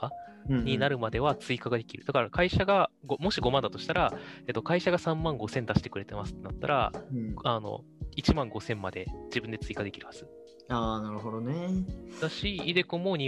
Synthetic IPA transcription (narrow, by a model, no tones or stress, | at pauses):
kaɲ̟inaɾɯ̟mad̪e̞βat͡sɨikaɡad̪e̞kʲiɾɯ̟d̪̥akaɾakaiɕaɡaɡomo̞ɕiɡo̞mãnd̪at̪o̞ɕi̥t̪aɾae̞ːt̪ːo̞kaiɕaɡasãmːãŋɡo̞sẽ̞nd̪aɕi̥t̪e̞kɯ̟ɾe̞t̪e̞masɨ̥t̪ːe̞nat̪ːa̰ɾʔa̰ano̞̰ | it͡ɕimãŋɡo̞sẽ̞mːad̪e̞d͡ʑibɯ̟nd̪e̞t͡sɨikad̪e̞kʲiɾɯ̟haz̥ɨ | aːnaɾɯ̟ɦo̞d̪oned̪aɕiid̪e̞komoɲ̟i